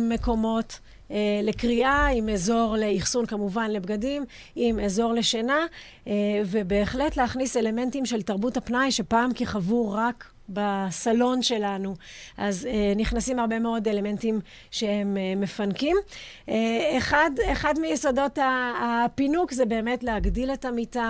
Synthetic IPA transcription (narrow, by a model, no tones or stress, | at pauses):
me̞ko̞mo̞tː | lekʁiʔaimeːzo̞ʁle̞iχsunkamuvanle̞bɡadim | ime̞ːzo̞ʁle̞ʃena | ve̞be̞ːχle̞tleaχnise̞le̞me̞ntimʃe̞ltaʁbuthapnajʃe̞paːmkiχavuʁak | basalo̞nʃe̞lanuʔazniχnasimhaʁbe̞me̞o̞de̞le̞me̞ntim | ʃe̞he̞mːe̞fankim | eeχadeχadmijeso̞do̞taːpinukzebe̞ːmetleaɡdile̞tamita